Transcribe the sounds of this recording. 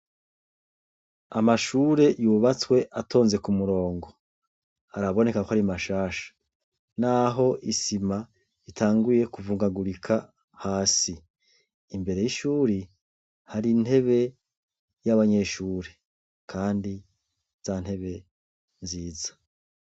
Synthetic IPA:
amaʃuːɾe̞juβat͡swe̞ʔatʰo̞ːnze̞kumuɾo̞ːŋɡo̞ | aɾaβo̞ne̞kakohaɾimaʃaːʃḁ | naɦo̞ʔisima | itʰaːŋɡuje̞kuvuːŋɡaɡuɾikʰa | haːsiː | mbe̞ɾe̞jiʃuːɾi | haɾin̥he̞βe̞ | jaβaɲe̞ʃuːɾe̞ | kʰaːndi | z̥an̥he̞βe̞ | nziːzḁ

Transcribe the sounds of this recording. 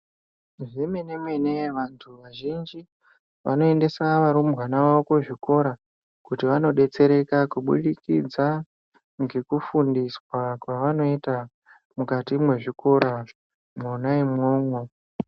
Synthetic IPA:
ʐemenemweneʋantʰuʋaʒind͡ʒi | ʋa̰no̞ende̞saʋaɾumɣanaʋokoʐiko̞ɾa | kutiʋano̞ɗe̞t͡se̞ɾe̞kakuɓṵɗikḭd͡za | ŋɡe̞kufundiswakwaʋano̞ita | mukatimwe̞ʐiko̞ɾa | mwonaemŋoːmwe

